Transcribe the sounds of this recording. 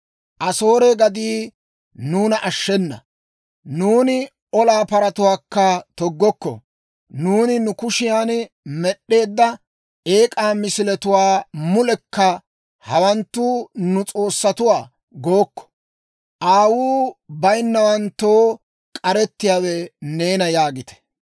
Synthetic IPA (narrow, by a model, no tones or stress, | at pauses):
ʔɐso̞ːɾɛɡɐd̪iː | nuːnɐʔɐʃːɛnːɐ̰ | nuːnɪ | ɔlaːpɐɾɐt̪ʊwaːkːɐt̪ɔɡːɔkːɔ̰ | nuːnɪnʊkʊʃɪjaːn | mɛɗːe̞ːd̪ːɐ | e̞ːkʼaːmɪsɪlɛt̪ʊwaːmʊlɛkːɐ | hɐwɐnt̪ːuːnʊt͡sʼo̞ːsːɐt̪ʊwaː | ɡoːkːɔ̥ | ʔaːwuːbɐjnːɐwɐnt̪ːoː | kʼɐɾɛt̪ːɪjaːwɛne̞ːnɐjaːɡɪt̪ɛ̥